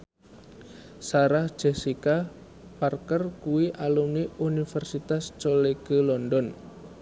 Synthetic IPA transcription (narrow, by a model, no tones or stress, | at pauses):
saɾahʒ̥esika | parkərkuwiʔalumniunifɛrsit̪ast͡ʃoleɡ̥ə̤lɔndɔn